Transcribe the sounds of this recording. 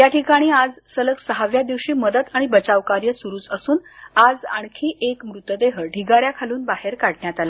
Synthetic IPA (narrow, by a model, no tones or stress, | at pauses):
t̪jaʈʰikaɽ̃iːad͡zsələksəɦaʋjad̪iʋɕiːməd̪ət̪aɽ̃ibət͡saʋkaɾjəsuɾuːt͡səsuːnad͡za̰ɳ̃kʰiːʔekmɾut̪ːəd̪eɦəɖʱiɡaɾjakʰaluːnbaɦeɾkaɽɳjat̪ala